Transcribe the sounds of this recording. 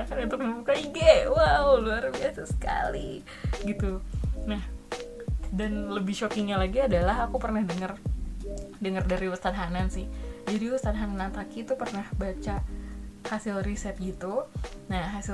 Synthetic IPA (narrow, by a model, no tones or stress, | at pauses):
akanunt̪ʊk̚əbukaiɡawawluarbiasasə̥ka̰li | ɡit̪unah | danləbɪhʃokɪŋɲalaɡiadalaɦakupərnahdəŋər | dəŋərdaɾiwəst̪at̪̚ɦanansɪhd͡ʒadiwəst̪at̪̚ɦanmnant̪akit̪upərnahbat͡ʃa | hasɪlrisɛt̪̚ɡit̪unaɦasɪ